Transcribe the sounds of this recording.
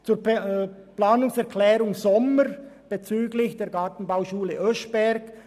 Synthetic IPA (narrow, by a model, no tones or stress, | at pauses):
t͡suːɾ | plaːnʊŋsɛʁkʰlɛːɾʊŋzɔməɾb̥et͡syːɡlɪçd̥eːɾɡɑːtn̩baʊʃuːləʔœʃb̥ɛɾk